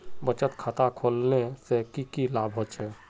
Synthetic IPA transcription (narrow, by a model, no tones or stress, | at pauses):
bət͡ʃət̪kʰaːt̪akʰoːlnesekikilaːbʱɦot͡ʃɛ